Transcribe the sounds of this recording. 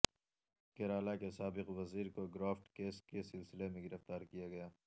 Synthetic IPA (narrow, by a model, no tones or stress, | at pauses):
keɾaːlakesaːbɪqʋɐziːɾkoɡɾaːfʈkeːskesɪlsɪlemẽɡɪɾɐft̪aːɾkijaɡɐjaː